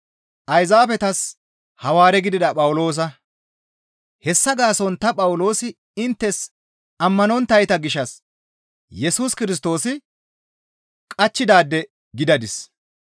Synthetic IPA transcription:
ʔɐjzaːfɛt̪ɐs | hɐwaːɾɛɡɪd̪ɪd̪ɐpʼɐwʊlo̞ːs̬ɐ | hɛsːɐɡaːsɔnt̪ɐpʼɐwʊlo̞ːsɪ | ɪnt̪ːɛs | ɐmːɐnɔnt̪ɐjt̪ɐɡɪʃːɐs | jɛsuːskɪɾɪs̬t̪o̞ːsɪ | kʼɐt͡ʃːɪd̪aːd̪ːɛ | ɡɪd̪ɐd̪ɪs

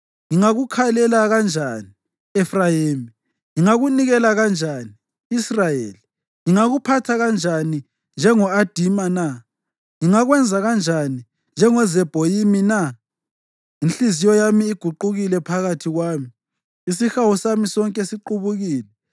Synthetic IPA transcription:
ŋiŋaɣukʰalɛlaɣand͡ʒʱani | ɛfrajeːmi | ŋiŋaɣuniɣɛlaɣand͡ʒʱaniː | srajeːli | ŋiŋaɣupʰatʰaɣand͡ʒʱani | nd͡ʒʱɛŋɔad̥ʱimana | ŋiŋaɣwɛnd͡zʱaɣand͡ʒʱani | nd͡ʒʱɛŋɔzɛb̥ʱojimina | inɬizijɔjamiːɡ̥ʱuǃuɣilɛpʰaɣatʰiɣwaːmi | isixawusamisɔŋkʼɛsiǃuβuɣiːlɛ

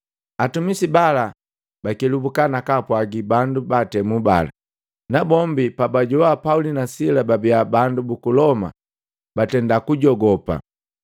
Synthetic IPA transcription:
atumisibala | bakilubukanakapwaɡibandubatɛmuba̰la̰ | nabɔmbipabaɟɔwapaulinasilababiabandubukulɔma̰ | batɛndakuɟɔɡɔpa̰

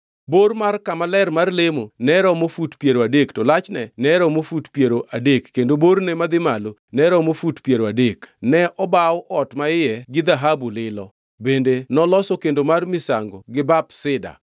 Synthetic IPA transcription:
bormarkamalɛrmarlemonɛɾɔmofutpjeɾoadektɔlat͡ʃnɛnɛɾɔmofutpjeɾoʔadekːendobornemad̪ɪmalonɛɾɔmofutpjeɾoadeknɛʔɔbawʔɔtmaɪjɛɡɪd̪aɦabulɪlɔ | bendenɔlɔsɔkendomarmɪsa̰ŋɡɔɡɪbapsɪda̰

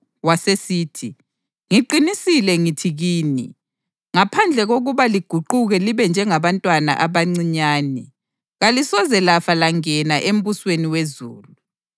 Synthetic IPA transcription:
wasesiːtʰi | ŋiǃinisilɛŋitʰiɣiːni | ŋapʰand͡ɮʱɛɣoɣuβaliɡ̥ʱuǃuɣɛliβɛnd͡ʒʱɛŋaβantʼwana̰ʔaβaŋ͡ǀiɲaːnɛ | ɣalisɔzɛlafalaŋɛnaʔem̩βusweniwezuːlu

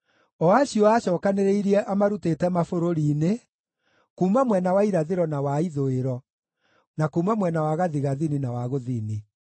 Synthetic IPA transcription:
ɔaɕiɔaɕɔːkaneɾeiɾiɛʔamaɾutetɛmafoɾoɾiːne | kuːmamwɛnawaiɾaðeɾɔnawaiðoeɾɔ | nakuːmamwɛnawaɣaðiɣaðininawaɣoðiːni

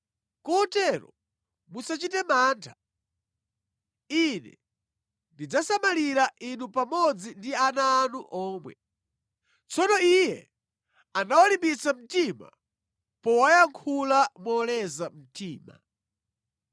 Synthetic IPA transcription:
kɔɔtɛɾɔ̰ | musat͡ʃitɛmaːntʰḁ | inɛ̰ | ndid͡zasamaliɾaʔinupamɔd͡zindianaːnuʔɔːmwɛ̰ | t͡sɔnɔijɛ | anawalimbit͡sam̩tima̰ | pɔwajaŋkʰulamɔlɛzam̩tiːma̰

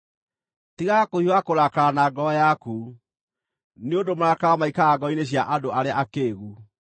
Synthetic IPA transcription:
tiɣakoiwakoɾakaɾanaːɡɔjaku | neondomaɾakaamaikaːɡɔineɕ̬jaʔadoʔaɾeaʔakeːɣu

